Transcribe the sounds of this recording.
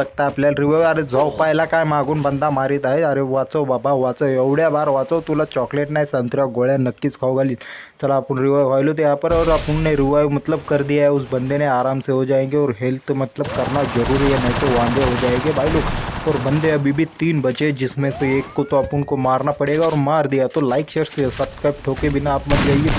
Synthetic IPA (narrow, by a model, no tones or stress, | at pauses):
ɐk̚t̪apljalɾiʋaʋaɾed͡zʱɔwpajlakajmaɡuːnbənd̪ʱamaɾit̪aɦeɐɾeʋat͡soʋabʱaʋat͡saɐʋɽjabaːɾʋat͡sat̪ulat͡ɕɔkleʈnaːisant̪ɾjaɡoɭjanəkːit͡skʰawɡʱaliːlt͡ʃɐlaːpəɳɾiʋaːjʋajlot̪̬ojapəɾəɾəpənneɾiʋajʋmɐt̪ləb̚kəɾd̪ijaɦeus̬bənd̪ʱeneaːɾaːmseɦod͡ʒaːẽŋɡeɔːɾɦelt̪mət̪ləbkɐɾnazɐɾuːɾiɦɛnɐɦĩt̪oʋãːnd̪eɦod͡ʒaːẽːŋɡebʱaːiloːɔːɾbɐ̃nd̪eɐbʱibʱit̪iːnbɐt͡ʃed͡ʒɪsmẽseeːkːot̪oɐpʊnkomaːɾnapɐɽeːɡaɔːɾmaːɾd̪ijat̪olaːɪkʃɐɾssɐbskɾaːɪp̚ʈʰoːkebʱɪnaaːpmɐt̪d͡ʒaːẽɡe